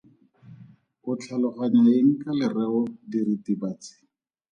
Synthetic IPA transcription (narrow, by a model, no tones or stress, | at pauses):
kʊt͡ɬʰalʊχaɲaeŋ̩kalɪrɛʊdiritibaːt͡sɪ̥